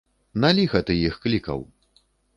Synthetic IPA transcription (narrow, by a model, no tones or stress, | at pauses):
nalʲiɣɐt̪ɨjixklʲikɐ̰w